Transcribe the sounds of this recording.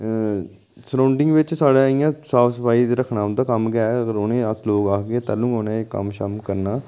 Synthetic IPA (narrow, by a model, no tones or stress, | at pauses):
sɾaːʊɳɖɪŋɡʋɪt͡ʃsaːɽaːĩjãːsaːbsəpaːiːɾəkʰnãːʊnd̪aːkəmɡɛːəɡəɾʊnẽːəsloːɡaːkɡeeːt̪aːlũːonẽːkə̰mʃəmkəɾnaː